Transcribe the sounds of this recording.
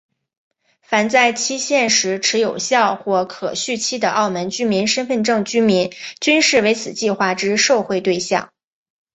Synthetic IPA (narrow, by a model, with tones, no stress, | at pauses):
fa˨˩nt͡sa˥˩ɪt͡ɕʰi˥ɕjɛ˥˩nʂɻ̩˧˥ʈ͡ʂʰɻ̩˧˥jo˨˩ʊɕjɑ˥˧ʊxwɔ˥˩kʰɤ̰˨˩ɕy˥˩t͡ɕʰi˥d̪ə˨ʔɑ˥˩ʊmə˧˥nt͡ɕy˥mi˧˥nʂə˥nfə˥˧nʈ͡ʂɤ˥˩ŋt͡ɕy˥mi˧˥nt͡ɕy˥nʂɻ̩˥˩we˧˥ɪt͡sʰɹ̩˨˩t͡ɕi˥˧xwa˥˩ʈ͡ʂɻ̩˥ʂo˥˧ʊxwe˥˧ɪt̪we˥˧ɪɕjɑ̰˥˩ŋ